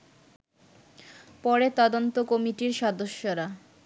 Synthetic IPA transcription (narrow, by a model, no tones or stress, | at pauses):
pɔɾet̪ɔd̪ont̪okomiʈiɾʃɔd̪oʃːoɾa